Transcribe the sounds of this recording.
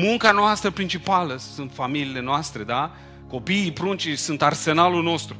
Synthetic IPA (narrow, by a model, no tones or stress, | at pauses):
muŋkanoast̪ɾəpɾint͡ʃipaləsunt̪familiːle̞noast̪ɾe̞d̪a | ko̞piːpɾunt͡ʃisunt̪arse̞nalulno̞st̪ɾu